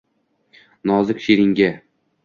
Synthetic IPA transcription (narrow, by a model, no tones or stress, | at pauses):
nɒzɪkʲʃeɾɪŋɡʲa